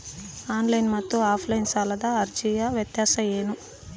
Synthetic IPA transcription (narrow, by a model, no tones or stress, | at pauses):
aːnlɐjnmɐt̪ːuaːpʰlɐjinsaːlɐd̪aːɐɾt͡ʃijaʋjɐt̪jaːsɐeːnu